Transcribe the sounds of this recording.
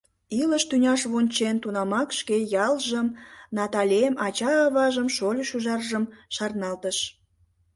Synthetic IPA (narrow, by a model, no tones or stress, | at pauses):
iləʃt̪ynʲɑʃβonʲt͡ɕent̪unɑmɑkʃkejɑlʒəmnɑt̪ɑlʲemɑt͡ɕɑːβɑʒəmʃolʲʃuʒɑrʒəmʃɑrnɑlt̪əʃ